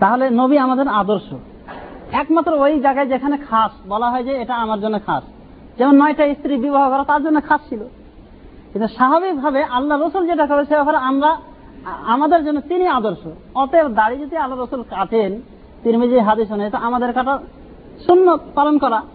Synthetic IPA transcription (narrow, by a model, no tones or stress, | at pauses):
t̪aɦolenobiamad̪eɾad̪oɾʃo | ɛkmat̪ːɾoojd͡ʑaɡaed͡ʑekʰanekʰasbɔlaɦɔejd͡ʑeeʈaamaɾd͡ʑonːokʰas | d͡ʑɛmonːɔjʈaist̪ɾibiboɦakɔɾat̪aɾd͡ʑonːokʰast͡ɕʰilo | kint̪uʃaɦaβik̚bʱabeʔalːaɾːosuld͡ʑeʈ̬akɔɾeʃebɛpaɾeamɾa | amad̪eɾd͡ʑonːot̪iniad̪oɾʃo | ɔt̪ed̪aɽid͡ʑod̪ialːaɾːosulkat̪ʰen | t̪iɾmid͡ʑiɦad̪iʃ̬onajt̪oamad̪eɾkaʈa | ʃunːopalonkɔɾa